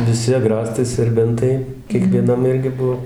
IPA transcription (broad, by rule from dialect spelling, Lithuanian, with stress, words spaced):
ʋʲɪˈsʲɪ ɐˈɡrɑːstɐɪ sʲɛrʲˈbʲɛntɐɪ kʲiɛkʋʲiɛˈnɐm ˈɪrʲɡʲɪ ˈbʊʋoː